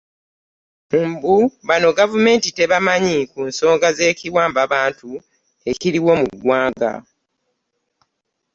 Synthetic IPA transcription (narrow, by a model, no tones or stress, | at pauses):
umbuβano̞ɡavume̞ːntite̞βamaɲikunso̞ːŋɡaze̞ːciwaːmbaβaːntu | e̞kiɾiwo̞muɡwaːŋɡa̰